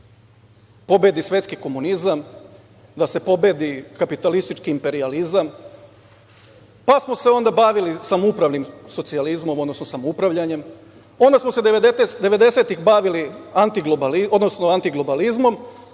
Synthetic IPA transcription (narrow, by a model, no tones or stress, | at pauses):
po̞be̞d̪isʋe̞t̪kiko̞munizam | d̪ase̞po̞be̞ːd̪ikapit̪alist̪it͡ʃkiːmpe̞ɾializam | pasmo̞se̞o̞nd̪abaʋilisamoupɾaʋnimso̞t̪sializmo̞mod̪nosnosamoupɾaʋʎaɲe̞m | o̞nd̪asmosed̪eʋed̪e̞se̞t̪ixbaʋiliant̪iɡlobalio̞d̪nosnoant̪iɡlˠo̞balizmo̞m